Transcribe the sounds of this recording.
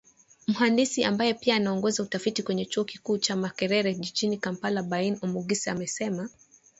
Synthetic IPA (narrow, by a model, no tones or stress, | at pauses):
m̩ɦandisiambajɛpiaːnaɔŋɡɔzautafitikwɛɲɛt͡ʃuɔkikuːt͡ʃamakɛɾɛɾɛʄiʄinikampalabainɔmuɡisamɛsɛma